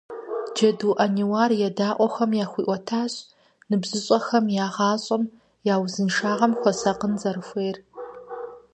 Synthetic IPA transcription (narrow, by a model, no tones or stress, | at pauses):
d͡ʒɐduːʔɐniwaːrjɛdaːʔʷʼɔxɐmjaːxʷiːʔʷɔtʰaːɕ | nɨbzɨɕʼɐxɐmjaːʁɑːɕʼɐm | jaːwzɨnʂaːʁɐmxʷɔsɐqənzɐɾɨxʷeːr